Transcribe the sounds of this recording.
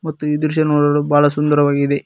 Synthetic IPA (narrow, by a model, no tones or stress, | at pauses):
mɐt̪ːuid̪uɾʃɐnoːɽɐɽubaːɭɐs̬und̪ɐɾɐʋaːɡid̪e